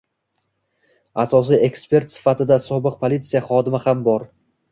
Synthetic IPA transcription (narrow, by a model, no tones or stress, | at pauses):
asɒs̬ie̞kspe̞ɾt̪sɪ̥fat̪ʰɪd̪asɒbɨq̚pʰolʲit̪sijaχɒd̪ɪmɪhambɒɾ